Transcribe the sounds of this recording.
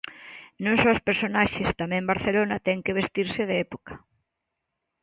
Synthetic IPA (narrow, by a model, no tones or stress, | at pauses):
nõŋsospeɾsonaʃɪst̪amɛ̃mbaɾθelonat̪ɛŋkeβest̪iɾsɪðeɛpokɐ̥